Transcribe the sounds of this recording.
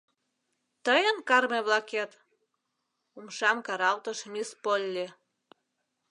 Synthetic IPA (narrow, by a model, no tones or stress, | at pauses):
t̪əjənkɑrmeβlɑket̪ | umʃɑmkɑɾɑlt̪əʃmispolʲːe